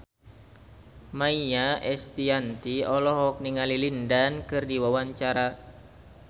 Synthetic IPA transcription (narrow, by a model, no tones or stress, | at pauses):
maiɲaʔɛst̪iant̪iɔlɔɦɔk̚niŋalilindankɨrdiwawaɲt͡ʃaɾa